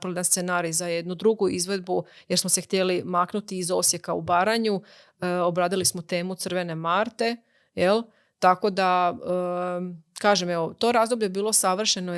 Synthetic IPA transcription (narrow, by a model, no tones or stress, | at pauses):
pɾoed̪anst̪senaːɾizajed̪nud̪ɾuɡuizʋe̞d̪̚bujeɾsmose̞xt̪jelimaknut̪iːzo̞sje̞kaṵbaːɾaɲu | o̞bɾaːd̪ilismo̞t̪e̞ːmut̪sɨrʋe̞ne̞maɾt̪e̞ | je̞l | t̪ako̞d̪aə | kaːʒemeʋo̞t̪o̞ɾaːzd̪obʎebiːlˠo̞saʋr̩ʃeno